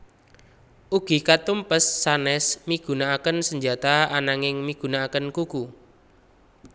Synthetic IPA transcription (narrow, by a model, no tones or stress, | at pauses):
ʔuɡ̥i̤kat̪umpəsːanɛsmiɡ̥ṳnaːkənsəɲd͡ʒat̪aanaŋɪŋmiɡ̥ṳnaakənkuku